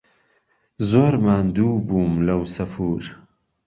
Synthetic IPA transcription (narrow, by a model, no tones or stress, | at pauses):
zoːɾmaːnd̪uːbuːmlɐwsɐfuːɾ